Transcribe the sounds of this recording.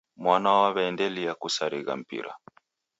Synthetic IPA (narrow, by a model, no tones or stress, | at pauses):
mwanawaβɛndɛlijakusaɾiɣa̰m̩pḭɾa̰